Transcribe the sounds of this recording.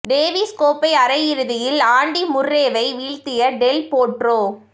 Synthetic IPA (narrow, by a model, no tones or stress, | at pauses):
ɖeːʋiskoːpɐɪɐɾɐjɪɾɯðɪjɪlaːɳɖimʊrːeːʋɐɪʋiːɻt̪ɪjɐɖɛlpoːʈroː